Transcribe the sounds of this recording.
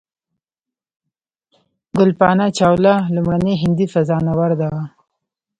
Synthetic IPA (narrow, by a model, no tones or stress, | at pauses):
ɡʊlpɑnat͡ʃɑwlalʊmaneɦɪnd̪ifazɑnawaɾd̪a